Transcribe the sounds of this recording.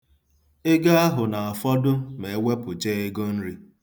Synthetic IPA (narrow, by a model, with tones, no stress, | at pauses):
ɪ˦ɡa˦a˦ɦʊ˨na˨a˨fɔ˦dʊ˦me˨˦we˦pʊ˨d͡ʒe˦e˦ɡo˦n̩˦ɾi˦